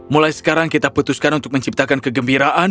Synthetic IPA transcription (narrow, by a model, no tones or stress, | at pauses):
mulajsə̥kaɾaŋkit̪aput̪ʊskanunt̪ʊk̚məɲt͡ʃip̚t̪akankəɡəmbiɾaʔa